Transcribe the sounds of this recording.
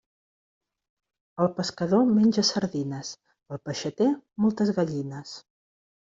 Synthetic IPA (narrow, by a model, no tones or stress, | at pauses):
əlˠpəskəðomenʲʒəsəɾðinəs | əlˠpəʃət̪emolˠt̪əzɣəʎinəs